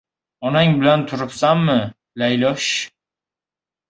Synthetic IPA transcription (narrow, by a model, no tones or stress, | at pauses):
ɒnaŋbɪlant̪ʰʊɾɪpsamːɪ | lajlɒʃ